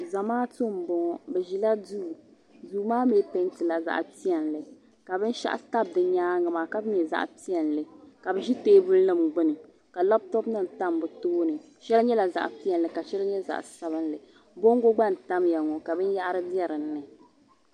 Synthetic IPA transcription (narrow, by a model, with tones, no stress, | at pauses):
za˨maː˦to˦˨m̩˨bɔ˨˦ŋɔ˦bɛ˨ʒi˨la˦du˦˨ | du˨˦maː˦meː˦pɛ˦ŋtɨ˨la˨za̰˨ʔpi˦ɛ˨nlɨ˨ | ka˨bɨ˦n˦ʃa̰˦ʔa̰˦˨ta˦b̚dɨ˨ɲaː˦ŋa˨maː˨ka˨bɨ˦ɲɛ˨za̰˦˨ʔpi˦ɛ˨nlɨ˨ka˨bɛ˨ʒi˦te˦bu˦lnɨ˦˨mɡ͡bʊ˦nɨ˨ | ka˨la˦p̚tɔ˦pnɨ˦m˨ta˦mbɨ˨toː˦nɨ˨ | ʃɛ˦lɲɛ˦la˨za̰˨ʔpi˦ɛ˨nlɨ˨ka˨ʃɛ˦lɲɛ˦za̰˨ʔsa˦bɨ˦nlɨ˨ | bo˦ŋ˦ɡo˦ɡ͡ba˦˨n˨ta˦mja˨ŋɔ˨ka˨bɨ˦n˦ja˦ʔɾɨ˦bi˦ɛ˦ɾɨ˨nːɨ˨